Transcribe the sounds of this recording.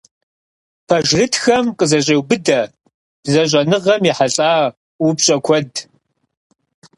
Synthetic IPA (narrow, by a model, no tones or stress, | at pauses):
pʰɐʒrɨtʰxɐmqəzɐɕʼeːwbɨdɐ | b̥zɐɕ̬ʷʼɐnɨʁɐmjiħaɬʼaː | wubɕʼɐkʷʰɔd